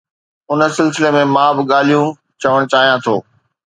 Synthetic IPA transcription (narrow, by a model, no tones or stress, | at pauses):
ʊnə̆sɪlsɪlemẽmãːbɪɠaːl̤ijũ | t͡ɕɐʋəɽ̃t͡ɕaːɦijãt̪ʰo̰ː